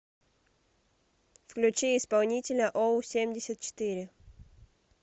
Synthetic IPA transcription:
fklʲʉt͡ɕiɪspɐlˠnʲitʲɪlʲəʔosʲemʲdʲɪsʲət̪̚t͡ɕɪ̥t̪ɨɾʲɪ

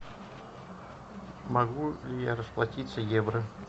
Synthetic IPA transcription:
mɐɡulʲɪjaɾəsplˠɐtʲit̪səjevɾə

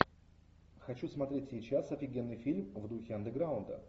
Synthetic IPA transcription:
xɐt͡ɕusmɐt̪ɾʲetʲsʲɪt͡ɕasɐfʲɪɡʲenːɨjfʲilʲmvd̪uxʲɪɐnd̪əɡɾaʊnd̪ə̰

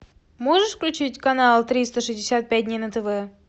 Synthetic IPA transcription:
moʐɨʂfklʲʉt͡ɕitʲkɐnalˠt̪ɾʲist̪əʂɨzʲdʲɪsʲat̪̚pʲæt̚ʲdʲnʲejnət̪əvɛ

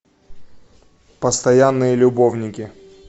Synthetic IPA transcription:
pəst̪ɐjanːɨjəlʲʊbovnʲɪkʲɪ

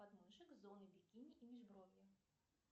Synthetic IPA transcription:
ad̪mɨʂɨkzɔnɨbʲikʲinʲiʔimʲiʐbɾɔvʲjɛ

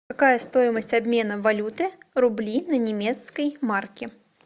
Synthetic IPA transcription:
akajɐst̪ɔjmɐsʲt͡sʲabʲmʲɛnɐvalʲut̪ɨɾublʲinɐnʲɛmʲɛt̪skɐjmarkʲɛ

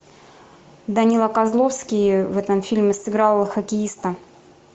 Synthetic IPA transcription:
d̪ɐnʲilˠɐkɐzlˠofskʲɪjəvɛt̪əmfʲilʲmʲɪsɨɡɾalˠːxəkʲɪist̪ə

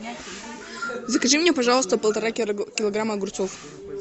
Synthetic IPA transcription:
zəkɐʐɨmnʲepɐʐɑlˠəst̪əpəlˠt̪ɐɾakʲɪlˠɐɡɾaməɡʊrt̪sof

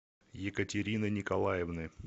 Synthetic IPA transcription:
jɪkətʲɪɾʲinənʲɪkɐlˠajɪvnɨ

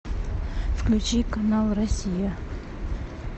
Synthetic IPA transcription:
fklʲʉt͡ɕikɐnalˠrɐsʲijə

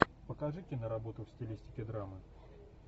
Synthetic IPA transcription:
pəkɐʐɨtʲɪnəɾɐbo̞t̪ʊfsʲtʲɪlʲisʲtʲɪkʲɪd̪ɾamɨ

